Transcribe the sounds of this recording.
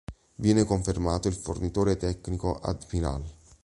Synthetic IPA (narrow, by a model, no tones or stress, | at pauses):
vjɛːnekoɱfermaːt̪oilfo̰rnit̪oːɾet̪ɛkːnikoʔa̰d̪pina̰l